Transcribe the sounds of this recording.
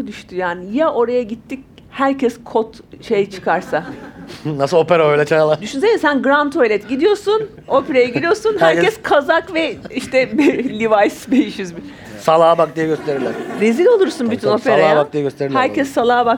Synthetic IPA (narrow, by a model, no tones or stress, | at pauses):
d̪yʃt̪ʰyjaːnijaʔo̞ɾajaɟit̪ʰːic̚ | hæɾcʰɛskʰot̪ | ʃe̞jt͡ʃʰɯ̥kʰaɾsa | nasɯlˠopeɾaøjlʲɛt͡ʃʰaalˠad̪yʃynsenisænɡɾant̪ʰojlʲɛt̪ɟid̪ijo̞ɾsun | o̞peɾajaɟid̪ʲijo̞ɾsunhæɾɛskʰazakvɛiʃt̪ɛblʲivajsbejiʃyzbi | salˠaːbak̚d̪ijɛɟøst̪ʰe̞ɾilʲæɾɾezilʲo̞lˠuɾsunbyt̪ʰynopʰeɾajˠaːbakd̪ijɛɟøst̪eɾilʲhæɾcɛsːalˠaːbak